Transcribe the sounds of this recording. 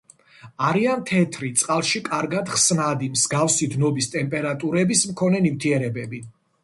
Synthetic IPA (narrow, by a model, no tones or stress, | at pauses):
aɾiant̪ʰɛt̪ʰɾit̪sʼqʼalˠʃikʼaɾɡad̪χsnad̪imz̥ɡafsid̪nɔbist̪ʼɛmpʼɛɾat̪ʼuɾɛbismkʰɔnɛnimt̪ʰiɛɾɛbɛbi